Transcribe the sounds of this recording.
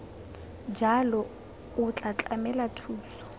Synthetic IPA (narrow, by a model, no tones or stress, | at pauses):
d͡ʒalɔ | ʊt͡ɬʼat͡ɬʼamɛlatʰuːsɔ̥